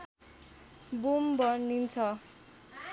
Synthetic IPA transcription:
bumbʌrnint͡sʰʌ

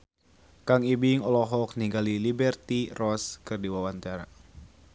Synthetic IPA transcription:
kaŋibiŋɔlɔɦɔk̚niŋɡalilibɛrt̪irɔskɨrdiwawant̪aɾa̰

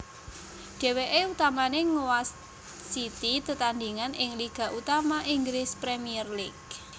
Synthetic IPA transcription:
ɖ̥ɛ̤weʔeut̪amaneŋowas | sit̪it̪ət̪and̪iŋanʔɪŋliɡ̥ä̤ʔut̪amaʔiŋɡɾɪspɾemiərlik̚

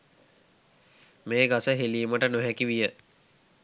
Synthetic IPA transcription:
meːɡasəɦeliːməʈənoɦækiʋijə

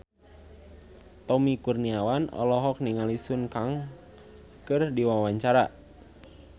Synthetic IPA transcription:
t̪ɔmikurniawanɔ̰lɔɦɔk̚niŋalisunkaŋ | kɨrdiwawaɲt͡ʃaɾa

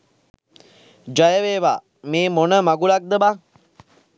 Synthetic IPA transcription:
d͡ʒajəʋeːʋa | meːmonəmaɡulak̚d̪əba

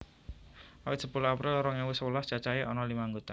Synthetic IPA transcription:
awɪt̪səpulohapɾɪlɾɔŋawɪsəwəlast͡ʃat͡ʃajeʔɔnɔlimaŋɡot̪an

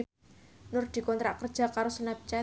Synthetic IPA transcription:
nʊrd̪̥i̤kɔnt̪ɾa̰ʔkərd̥ʒ̥akaɾosunap̚t͡ʃa

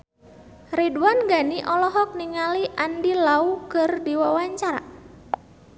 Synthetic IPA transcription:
riduanɡaniʔɔlɔɦɔk̚niŋaliʔandilaukərdiwawaɲt͡ʃaɾa̰

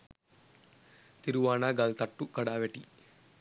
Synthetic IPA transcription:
t̪iɾuʋaːnaːɡɐlt̪ɐʈːukɐɽaːʋeʈi

